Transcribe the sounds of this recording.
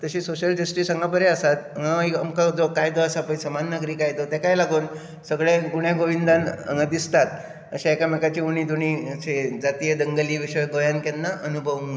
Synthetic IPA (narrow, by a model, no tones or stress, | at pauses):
t̪əɕiːsoɕəld͡ʑəsʈiːsəŋɡap̬əɾeəsat̪əŋɡaaiəmkad͡zokajt̪oəsapəɳsəmanːəɡɾiːkajt̪ot̪ɛkajlaɡuːn | səɡɭẽɡuɳjãɡoʋind̪anə̰ŋɡãd̪ist̪at̪ | əɕaekamekat͡ɕiuɽ̃iːd̪oɽ̃ised͡zat̪ijəd̪əŋɡəliːʋiɕəjɡojankɛnːaʔənubʱəʋu